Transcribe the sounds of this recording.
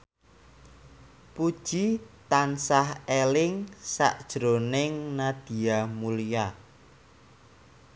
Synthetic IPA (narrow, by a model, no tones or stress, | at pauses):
pud̥ʒ̥it̪ansahelɪŋsa̰ʔd̥ʒ̥ɾonɪŋnad̪̥i̤amulija